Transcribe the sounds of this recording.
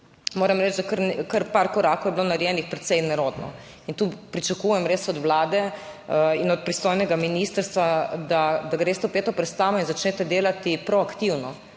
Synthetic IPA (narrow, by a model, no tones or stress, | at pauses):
moːɾɛmɾɛd͡ʒd̪akəɾnkəɾpaɾkɔɾaːkowjɛblonaɾjɛːnixpɾɛt̪sɛjnɛɾoːd̪nɔ̰ | int̪uːpɾit͡ʃakujɛmɾeːsɔd̪wlaːd̪ɛ | inɔt̪̚pɾist̪oːjnɛɡaminist̪əɾst̪ʋad̪ad̪aɡɾeːst̪ɛwpeːt̪ɔpɾɛt̪st̪aːʋɔinzat͡ʃneːt̪ɛd̪eːlat̪ipɾɔakt̪iwnɔ